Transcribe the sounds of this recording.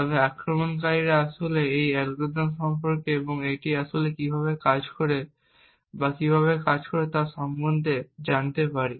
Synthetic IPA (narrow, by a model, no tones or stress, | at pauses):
t̪ɔbeakɾomonkaɾiɾaaʃoleejɛlɡod̪anʃɔmpoɾkeeboŋeʈiaʃolekibʱaβekad͡ʑkoɾe | bakibʱaβekad͡ʑkoɾet̪aɾʃɔmbond̪ʱed͡ʑant̪epaɾi